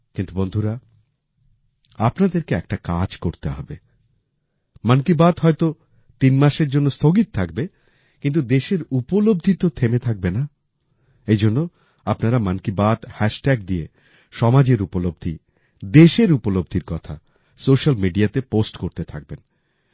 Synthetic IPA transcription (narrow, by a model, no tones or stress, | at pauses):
kint̪ubond̪ʱuɾa | apnad̪eɾkeɛkʈakad͡ʑkoɾt̪eɦɔ̰be | mankibad̪ɦɔet̪o | t̪inmaʃeɾd͡ʑonːost̪ʰoɡit̪̚t̪ʰak̚be | kint̪ud̪eʃeɾupolob̚d̪ʱit̪ot̪ʰemet̪ʰak̚bena | ejd͡ʑonːo | apnaɾamankibad̪hɛʃʈɛɡd̪ie | ʃɔmad͡ʑeɾupolob̚d̪ʱi | d̪eʃeɾupolob̚d̪ʱiɾkɔt̪ʰa | soʃalmiɖiat̪eposʈkoɾt̪et̪ʰak̚ben